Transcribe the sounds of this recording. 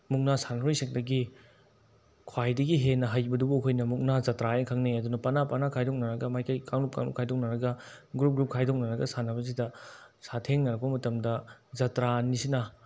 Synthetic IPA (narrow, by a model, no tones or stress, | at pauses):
muk̚nasanɾojsek̚dɐɡi | kʰwajdɐɡiɦenːɐɦajbɐdubuɐkʰojnɐmuk̚nazɐtɾajkʰaŋneɐdunɐpɐnapanakʰajdok̚nɐɾɐɡɐmajkɐjkaŋnup̚ka̰ŋnṵpkʰajdok̚nɐɾɐɡɐ | ɡɾup̚ɡɾup̚kʰajdok̚nɐɾɐɡɐsanɐbɐs̬idɐ | satʰeŋnɐɾɐk̚bɐmɐtɐmdɐzɐtɾanisinɐ